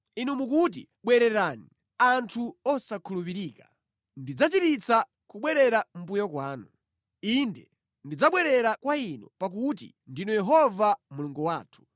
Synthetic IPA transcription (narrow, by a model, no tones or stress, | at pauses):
inumukut̬ḭ | ɓwɛɾɛɾani | antʰuɔsakʰulup̬iɾiːka | ndid͡zat͡ʃitit͡sa | kuɓwɛɾɛɾam̩pujɔkwaːnu | indɛ | ndid͡zaɓwɛɾɛɾakwainɔ̰pak̬ut̬ḭ | ndinɔjɛɦɔvamuluŋɡuwaːtʰu̥